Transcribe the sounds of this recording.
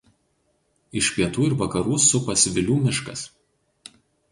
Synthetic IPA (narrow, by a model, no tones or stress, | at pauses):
ɪʃʲpʲiɛt̪uːɪɾʋɐkɐɾuːsʊpɐsʋʲɪlʲuːmʲɪʃkɐs